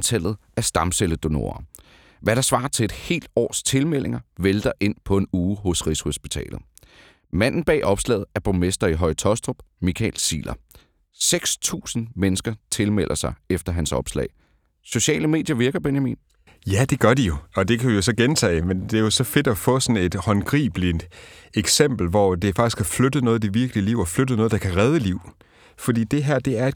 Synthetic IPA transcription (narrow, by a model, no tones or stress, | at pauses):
t͡sʰæl̰ð̩ˠ | æsd̥ɑ̈mseləd̥o̝no̝̰ːɐ | ʋæɾ̥ɑ̈sʋɑ̈ːt͡sʰe̝e̝d̥he̝̰ːld̥ɒ̰ːst͡sʰe̝lmel̰e̝ŋɐʋeld̥ɐʔe̝n̰pʰɒ̽e̝nuːɦɔ̽sʁisho̝sb̥it͡sʰɛ̰ːlð̩ˠ | mæn̰n̩b̥ɛ̰ːʔɒ̽b̥slɛ̰ːð̞̩ˠæɐb̥omesd̥ɐiɦɒ̽ɪt͡sʰɒ̽sd̥ob̥ | mikʰɛ̰ːlsḭːlʔɐ | seɡ̥st͡sʰṵːsn̩menəsɡ̥ɐt͡sʰe̝lmel̰ʔɐsɑ̈ɪefd̥ɐɦænsɒ̽b̥slɛ̰ɪ | so̝ɕɛ̰ːləme̝ːd̥jɐʋiɐɡ̥ɐb̥enjæmḭːn | jæd̥e̝ɡ̥ɶɐd̥ijo̝ɒ̽d̥e̝kʰæʋijo̝s̬ɒ̽ɡ̥ent͡sʰɛ̰ːmend̥e̝ɐjo̝sɒ̽fe̝d̥ɒ̽fɔ̰̽ːsɒ̽ne̝d̥hɒ̽nɡ̥ʁḭːb̥lideɡ̥sem̰b̥l̩ʋɒd̥e̝fɑ̈ɡ̥isɡ̥hæflød̥ð̩nɔ̽ːð̞̩ˠd̥eʋiɐɡ̥liəliʊ̰ɒflød̥ð̩nɔ̽ːð̞̩ˠdɑ̈kʰæʁɛð̞ˠəliʊ̰ | fɒd̥ḭːd̥e̝ɦæɐ̰d̥e̝æɐe̝